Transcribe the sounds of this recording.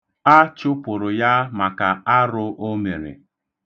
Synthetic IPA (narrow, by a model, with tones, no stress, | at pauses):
a˦t͡ʃʊ˦pʊ˨ɾʊ˨ja˦ma˨ka˨a˦ɾʊ˦ʔo˦me˨ɾḛ˨